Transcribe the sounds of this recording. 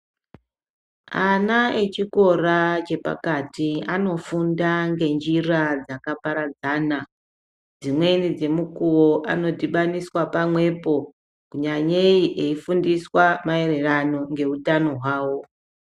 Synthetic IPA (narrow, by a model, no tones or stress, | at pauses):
anaet͡ʃiko̞rat͡ʃe̞pa̰katiano̞fundaŋɡe̞nd͡ʒirad͡zakapaɾad͡zaːna | d͡zimwe̞nid͡ze̞mukuwo̞ʔano̞diɓaniswapamwe̞po̞ | kuɲaɲeiʔe̞ifundiswamae̞re̞rano̞ŋɡe̞utano̞ɦwaːwo̞